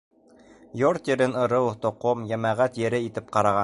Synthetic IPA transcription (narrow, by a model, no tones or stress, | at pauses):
joɾt̪jɘ̆ɾɘnɤ̆ɾɤwt̪ŏqomjæmæʁæt̪jɘ̆ɾɘit̪ɘp̚qɑɾɑʁɑ